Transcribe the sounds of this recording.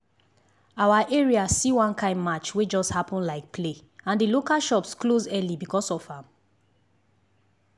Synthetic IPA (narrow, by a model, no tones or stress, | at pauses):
awaʔɛɹiasiwãnkʰãɪ̃ndmat͡ʃwed͡ʒɔsthapɔ̃nlaɪk̚pʰle | ãndilokaʃɔpsklozɛlibikʰɔsɔvãm